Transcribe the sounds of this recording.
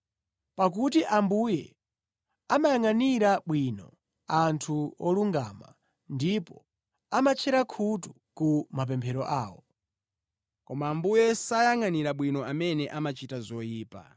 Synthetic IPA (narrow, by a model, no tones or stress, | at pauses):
pak̬utiʔambujɛ | amajaŋaniɾaɓwinɔ̰ | antʰuɔluŋɡama̰ | ndipɔ | amat͡ʃʰɛɾakʰutu | kumap̬ɛmpʰɛɾɔʔaːwɔ | kɔmaːmbujɛsajaŋaniɾaɓwinɔamɛnɛʔamat͡ʃitazɔjiːpa̰